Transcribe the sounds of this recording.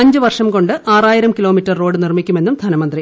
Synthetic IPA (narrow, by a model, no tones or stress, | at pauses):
ɐɲd͡ʑɨʋɐrʂɐmko̞ɳɖɨʔaːraːjiɾɐmkilo̞ːmitːɐrːo̞ːɽɨnirmikʲːume̞nːumd̪ʱɐnɐmɐnd̪ri